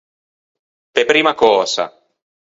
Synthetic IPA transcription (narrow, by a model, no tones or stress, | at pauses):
pepɾiːmakɔːza̰